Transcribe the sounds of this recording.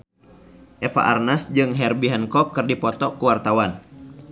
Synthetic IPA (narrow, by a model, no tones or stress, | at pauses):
ʔɛfa̰ʔa̰rnasd͡ʒɨŋɦɛrbiɦɛnkɔkːɨrdipɔt̪ɔkuwart̪awan